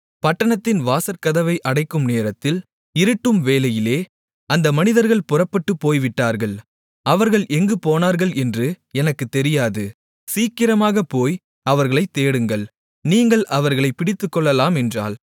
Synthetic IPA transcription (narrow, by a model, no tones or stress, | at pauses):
pɐʈːɐɳɐt̪ːɪnʋaːsɐɾkɐðɐʋɐɪʔɐɽɐɪkːɯmneːɾɐt̪ːɪl | ɪɾɯʈːɯmʋeːlɐjɪleː | ʔɐnd̪ɐmɐnɪðɐɾɣɐɭpʊrɐpːɐʈːɯpːoːjʋɪʈːaːɾɣɐɭ | ɐʋɐɾɣɐɭʔɛŋɡɯpoːnaːɾɣɐɭʔɛndrɯ | ɛnɐkːɯt̪ːɛɾɪjaːðɯ | siːkɪɾɐmaːɣɐpoːj | ɐʋɐɾɣɐɭɐɪt̪ːeːɽɯŋɡɐɭ | niːŋɡɐɭʔɐʋɐɾɣɐɭɐɪpɪɽɪt̪ːɯkːɔɭːɐlaːmɛndra̰ːl